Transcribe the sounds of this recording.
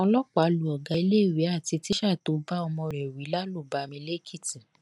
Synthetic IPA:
ɔ̃˧lɔ˦k͡pa˨˦lu˨ɔ˨ɡa˨˧i˧le˦˨wi˨˦a˦˨ti˧ti˦ʃa˦˨to˨˧˦ba˦ɔ˧mɔ̃˧ɾɛ˨wi˨˦la˦lu˦˨ba˨˧mĩ˧le˦kʰi˦˨ti˨

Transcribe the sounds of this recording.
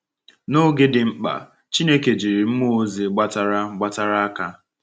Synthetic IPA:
no˦ɡɪ˦dɪ˨m̩˦k͡pa̰˨ | t͡ʃi˦ne˦ke˨d͡ʒi˨ɾi˨m̩˦mo˦o˦zi˨ɡ͡ba˦ta˦ɾa˦ɡ͡ba˦ta˦ɾa˦a˦ka˦

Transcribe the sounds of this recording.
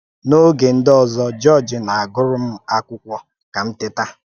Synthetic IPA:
no˦ɡe˨n̩˦dɔ˨zɔ˦d͡ʒɔ˦˨d͡ʒɪ˨na˨a˨ɡʊ˦ɾʊ˦m̩˦a˦kʷʊ˦kʷɔ˦ | ka˨m̩˦tɪ˦ta˦

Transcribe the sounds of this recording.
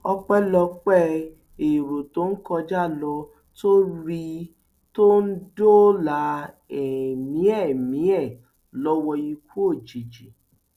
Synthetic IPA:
ɔ˧k͡pɛ˦lɔ˧k͡pɛ˦ | e˨ɾo˨to˦n̩˦kɔ˧d͡ʒa˦˨lɔ˧ | to˦ɾi˧ | to˦n̩˦do˦la˨˦ | ɛ˨mĩ˨˦ɛ˦˨mĩ˨˦ɛ˦˨ | lɔ˦wɔ˧ji˧ku˦o˦˨d͡ʒi˨d͡ʒi˨

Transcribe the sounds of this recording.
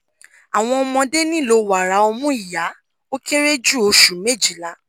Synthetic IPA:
a˨w̃ɔ̃˧ɔ˧mɔ̃˧de˦nĩ˦˨lo˧wa˨ɾa˨˦o˧mũ˦i˨ja˨˦ | o˦ke˦ɾe˦d͡ʒu˦˨o˧ʃu˨me˦˨d͡ʒi˨la˨˧˦

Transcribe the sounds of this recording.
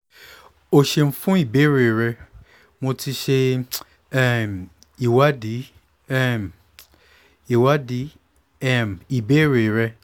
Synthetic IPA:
o˧ʃe˧m̩˦fũ˦i˦˨be˨˦ɾe˨ɾɛ˧ | mo˧ti˧ʃe˧ | ɛ˦˨m˨ | i˨wa˦di˨˦ | ɛ˦˨m˨ | i˨wa˦di˨˦ | ɛ˦˨m˨i˨be˦ɾe˨ɾɛ˧

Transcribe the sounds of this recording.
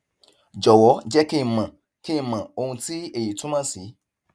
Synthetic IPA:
d͡ʒɔ˨wɔ˨˦d͡ʒɛ˦ke˦˨mã˨ | ke˦˨mã˨o˦˧nũ˧ti˦e˨ji˨tũ˦mã˦si˨˦

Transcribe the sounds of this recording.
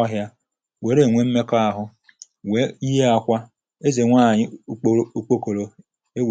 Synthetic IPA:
a˦ɦja˦ | we˨˦ɾe˨ŋʷe˦m̩˦me˦ka˦a˨ɦʊ˦ | we˨˦i˦ɦe˦a˦kʷa˦ | e˦ze˨ŋʷa˦˨ɲɪ˦o˦k͡po˦ko˨lo˨ | e˦w

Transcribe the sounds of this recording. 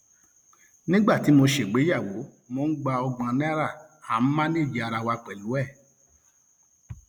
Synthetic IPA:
nĩ˦ɡ͡ba˦˨ti˨˦mo˧ʃe˨ɡ͡be˨˦ja˦˨wo˨˦ | mo˧˦n̩˦ɡ͡ba˧ɔ˧ɡ͡bã˧nĩ˦ɾa˦˨hã˨˦m̩˦mã˦nĩ˦˨d͡ʒi˨˦a˧ɾa˧wa˧k͡pɛ˨lu˨˦ɛ˦˨

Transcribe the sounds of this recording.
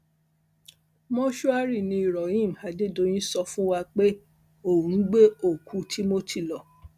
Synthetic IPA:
mɔ̃˦ʃu˦a˦ɾi˦˨nĩ˧i˨ɾɔ˨ĩ˦˨m̩˨ha˨de˦˨do˧˦j̃ĩ˦sɔ˧fũ˦wa˧k͡pe˦ | o˨ũ˨˦ɡ͡be˦o˦˨kʰu˧˦tʰi˦mo˦tʰi˦˨lɔ˨

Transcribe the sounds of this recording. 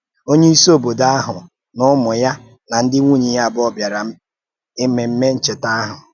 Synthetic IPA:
o˦ɲe˦i˦so˦˨bo˨da˦a˦ɦʊ˨ | nʊ˦mʊ˨ja˦ | na˨n̩˦dɪ˦ŋʷu˦ɲi˨ja˦˨bɔ˦bja˨ɾa˨ | ɪ˦me˨m̩˦me˦n̩˦t͡ʃe˨ta˦ɦʊ˨

